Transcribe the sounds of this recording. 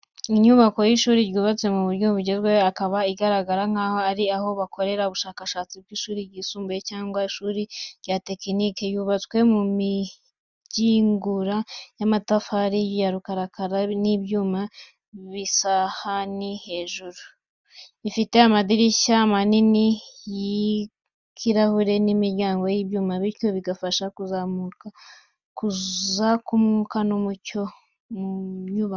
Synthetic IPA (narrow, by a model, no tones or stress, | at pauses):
iɲuβako̞jiʃuːɾiɾjuːβat͡swe̞muβuɾuːbuɟe̞zɡwewakaβaiɡaɾaɡaɾaŋ̥aːho̞aɾiaho̞βakʰo̞ɾe̞ɾauβuʃaːkaʃaːt͡sib̚ɡiːʃuːɾiɾɡiːsuːmbujecaːŋɡwaiʃuːɾiɾɟate̞kinikejuβat͡swe̞mumi | ɟ̥iːŋɡuɾajamatafaɾijjaɾukaɾakaɾanibjuːma | βisahanihe̞ːʒuɾu | ifite̞amadiɾiʃaːmaniniji | kʰiɾahuɾe̞nimiɾɟaːŋɡo̞jiːbjuːmaβiɾco̞βiɡafaʃakuzamuka | kuzakumukanomuco | muɲuβa